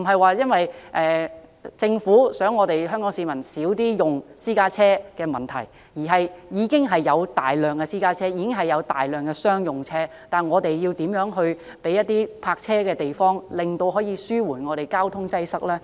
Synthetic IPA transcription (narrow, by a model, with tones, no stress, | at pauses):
m̩˨˩ɦɐ˨jwaː˨˧jɐ˥nwɐ˨jʔɛː˨˧t͡sɪ˧ŋfuː˨˥sœː˨˥ŋːɔː˨˧t̪e˨jɦœ˥ŋkɔː˨˥ŋsiː˨˧mɐ˨˩nsiː˨˥wt̪iː˥jʊ˨ŋsiː˥kaː˥t͡sʰɛː˥kɛː˧mɐ˨˩nt̪ʰɐ˨˩j | jiː˨˩ɦɐ˨jjiː˨˧kɪ˥ŋɦɐ˨jːɐ˨˧wt̪a̰ː˨jlœː˨˩ŋkɛ˧siː˥kaː˥t͡sʰɛː˥jiː˨˧kɪ˥ŋɦɐ˨˩jːɐ˨˧wt̪a̰ː˨jlœː˨ŋkɛː˧sœː˥ŋjʊ˨ŋt͡sʰɛː˥ | t̪aː˨nŋɔː˨˧t̪e˨jji˧wt̪iː˨˥mjœː˨˥ŋɦɵ˧ɥ | pe˨˥jɐ˥t̪̚ːiː˥pʰaː˧k̚t͡sʰɛː˥kɛː˧t̪e˨jfɔː˥ŋlɪ˨ŋt̪o˧wɦɔː˨˥jiː˨˧syː˥wuː˨˩nŋɔː˨˧t̪ɾe˨jkaː˥wt̪ʰʊ˥ŋt͡sɐ˥jsɐ˥k̚lɛː˥